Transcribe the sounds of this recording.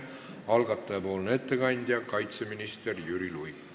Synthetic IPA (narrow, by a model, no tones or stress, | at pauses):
ɑlɡɑt̪ˑːɑjɑpo̞ːlne̞t̪ːe̞kɑnʲd̪̥ʲjɑkɑjt̪se̞minist̪erjyɾiluj